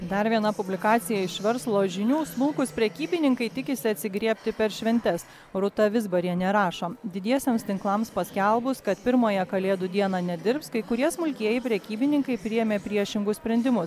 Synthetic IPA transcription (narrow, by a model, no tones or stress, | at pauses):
d̪ɐɾʋʲiɛnɐpʊbʲlʲɪkɑːt̪sʲɪjɛɪʃʲʋʲɛɾslˠoːʒʲɪnʲuːsmʊlˠkʊspʲɾʲɛkʲiːbʲɪnʲɪŋkɐɪt̪ʲɪkʲɪsʲɪɐt̪ʲsʲɪɡɾʲiɛpʲt̪ʲɪpʲɛɾʃʲʋʲɛnʲt̪ʲɛs | ɾʊt̪ɐʋʲɪzbɐɾʲiɛnʲɛɾɑːʃoːd̪ʲɪd̪ʲiɛsʲemst̪ʲɪŋklˠɐmspɐsʲkʲɛlˠbʊskɐt̪pʲɪɾmoːjɛkɐlʲeːd̪ʊd̪ʲiɛnɑːnʲɛd̪ʲɪɾpskɐɪkʊɾʲiɛsmʊlʲkʲiɛjɛɪpʲɾʲɛkʲiːbʲɪnʲɪŋkɐɪpʲɾʲɪjɛmʲeːpʲɾʲiɛʃʲɪŋɡʊssʲpʲɾʲɛnʲd̪ʲɪmʊs